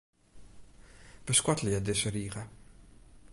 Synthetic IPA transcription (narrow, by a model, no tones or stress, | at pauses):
b̥əskwɔtljədɪsəɾiːχə